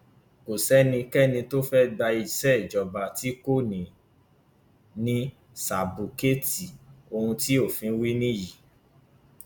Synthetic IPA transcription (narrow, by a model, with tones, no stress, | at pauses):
ko˨sɛ˦nĩ˧kɛ˦˨nĩ˧to˦fɛ˦ɡ͡ba˧i˧sɛ˦i˨d͡ʒɔ˨ba˨ti˨˦ko˦˨nĩ˨ | nĩ˦ | sa˨bu˨ke˦ti˨o˧hũ˧ti˦o˦˨fĩ˧˦wi˦nĩ˦˨ji˨